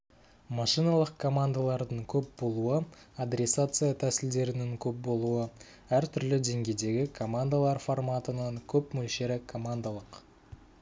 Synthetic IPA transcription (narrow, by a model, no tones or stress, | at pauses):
mɑʂijnalˠəqkʰo̞mand̪alˠɑɾd̪əɴkʲʰɵp̚bo̞lˠuə | ad̪ɾʲe̞sat̪sɨjat̪ʰæsɪld̪e̞ɾɪnɪŋkʲʰɵp̚bo̞lˠuə | æɾt̪ʰʏɾlɪd̪e̞ŋɡʲe̞jd̪e̞ɡʲɪkʰo̞mand̪alˠɑɾfo̞rmat̪ənəŋkʲʰɵpmɵlʃe̞ɾɪkʰo̞mand̪alˠəq